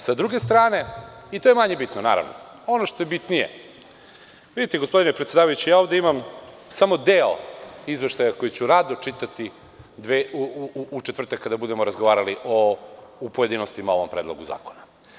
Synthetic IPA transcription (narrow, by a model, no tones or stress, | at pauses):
sad̪ɾuɡe̞st̪ɾaːne̞it̪o̞jemaɲebit̪nona̰ːɾa̰ʋno̰ | o̞noʃt̪ojebit̪nijḛ | ʋid̪it̪ɛɡospod̪inɛpɾet̪sʲed̪aːʋajut͡ɕijaːo̞vd̪eimam | samo̞d̪eoizʋeʃt̪ajako̞jit͡ɕuɾaːd̪ot͡ʃit̪at̪i | d̪ʋeuuut͡ʃet̪ʋrt̪akːad̪abud̪e̞moɾazɡoʋaːɾaliʔoupoje̞d̪inost̪imao̞ʋompɾed̪lˠoɡuza̰ːkona